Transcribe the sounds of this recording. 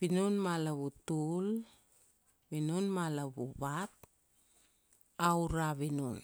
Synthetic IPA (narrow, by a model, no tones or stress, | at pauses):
binunmalaβutul | βinunmalaβuβat̚ | awɾaβinun